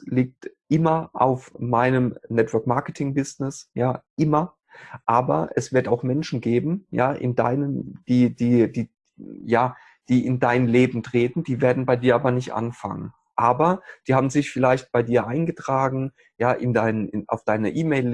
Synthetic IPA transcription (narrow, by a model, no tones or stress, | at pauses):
liːk̚tʔɪmɐʔa̰ʊfmaɪnəmnɛtv̥œɐkmaɐkətʰɪŋbɪsnɪsjaːʔɪmɐ | ʔaːbɐ̰ʔɛsv̥ɪɐtaʊxmɛnʃn̩ɡeːbm̩ja̰ːʔɪ̰nda̰ɪnəmd̥iːdiːd̥iː | jaː | d̥iːʔɪndaɪnleːbm̩tʁ̥eːtn̩d̥iːveːɐdn̩baɪdiːɐʔaːbɐnɪçtʔa̰nfa̰ŋən | ʔaːbɐd̥iːhaːbm̩zɪçfɪlaɪçt̚b̥aɪdiːɐʔaɪnɡətʁ̥aːɡŋ̩ | jaːʔɪndaɪnəɪna̰ʊfd̥aɪnəʔiːmeɪl